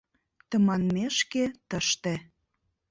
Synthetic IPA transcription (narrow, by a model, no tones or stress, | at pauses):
t̪əmɑnmeʃket̪əʃt̪ĕ